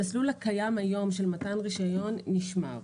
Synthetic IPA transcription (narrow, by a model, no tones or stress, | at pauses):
aslulakajamajo̞mʃelmatanʁiʃajo̞nːiʃma̰ʁ